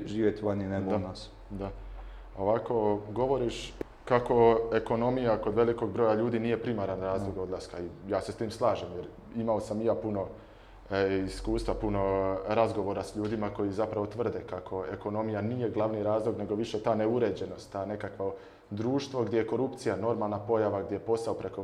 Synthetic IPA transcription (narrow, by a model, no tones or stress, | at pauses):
ʒiːʋjet̪ʋaneneɡd̪anas | d̪a | o̞ʋako̞ɡo̞ʋo̞ɾiʃ | kako̞e̞ko̞no̞mijako̞d̪ʋe̞liko̞ɡ̚bɾo̞jaʎuːd̪iːnije̞pɾimaɾanɾaːzlˠoɡo̞d̪laskaijaːse̞st̪iːmslˠaːʒemjeɾ | imaosamijaːpuno̞ | iskuːst̪ʋapuno̞ɾazɡo̞ʋo̞ɾasʎuːd̪imako̞jizapɾaʋo̞t̪ʋər̩d̪ekakʰo̞e̞ko̞no̞mijanije̞ɡlˠaʋniɾaːzlˠo̞ɡne̞ɡo̞ʋiʃet̪aːneuɾe̞d͡ʑe̞no̞st̪ːaːne̞kakʋo | d̪ɾuːʃt̪ʋo̞ɡd̪jeje̞ko̞ɾupt̪sijano̞ɾmaːlˠnapo̞jaʋaɡd̪jejepo̞saopɾe̞ko